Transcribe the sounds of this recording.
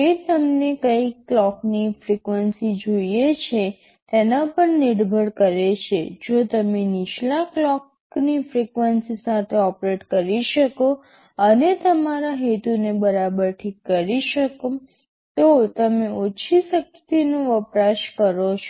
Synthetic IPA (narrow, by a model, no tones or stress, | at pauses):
et̪əmnekəikːlɔknifɾikʋənsid͡ʒoijet͡ʃʰe | t̪enapəɳniɽbʱəɽkəɾet͡ʃʰed͡ʒot̪əmeniʃlaklɔk | nifɾikʋənsisat̪ʰeɔpɾeʈkəɾiʃəko | ənet̪əmaɾaɦet̪unebəɾabəɾʈʰikːəɾiʃəko | t̪ot̪əmeʔot͡ʃʰisəkt̪inũʋəpɾaʃkəɾot͡ʃʰ